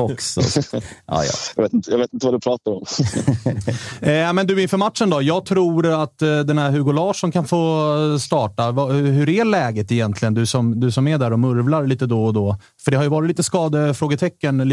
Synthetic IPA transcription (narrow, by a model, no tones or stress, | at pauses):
ɔksɔ̰ʔɑ̰ːj̰jveːt̪ɪnt̪əjɑveːt̪ɪnt̪əvad̪ɵpʰɾɑːt̪aɾɔm | mɛnd̪ɵɪnfœɾmat̪ʂənd̪ɔjɑːɡ̚t̪ʰɾuːɾat̪ːd̪ɛnhæɾɦʉɡʊlɑːʂɔnkʰanfoːst̪ɑːʈavɑhɦɵɾælɛːɡət̪ɪjɛnt̪ʰlɪɡənd̪ɵsɔmd̪ɵsɔmæd̪æɾɔmɵɾvlaɾliːt̪əd̪ɔɔd̪ɔ | fœɖɛhaɾjɵvɑːɾɪtliːt̪əskɑːd̪əfɾoːɡət̪ʰɛkːəni